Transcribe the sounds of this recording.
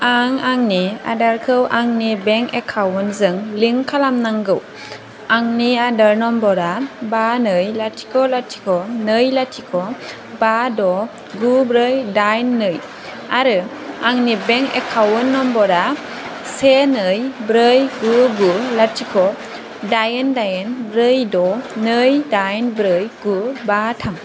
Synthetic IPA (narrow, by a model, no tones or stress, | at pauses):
aŋaŋnia̰daɾkʰɯwʔaŋnibɛŋɛkʰawənzɯŋliŋkʰalamnaŋɡɯw | aŋniadaɾnɔmbɔɾabanɯjlatʰi̥kʰɔlatʰi̥kʰɔnɯjlatʰikʰɔ | badɔ | ɡubɾəjdajnːɯj | aɾɯ | aŋnibeŋɛ̰kʰawɯnːɔmbɔɾa | senɯjbɾəjɡuɡulatʰikʰɔ | dajendajenbɾɯjdɔnɯjdajnbɾɯjɡ̥ubatʰam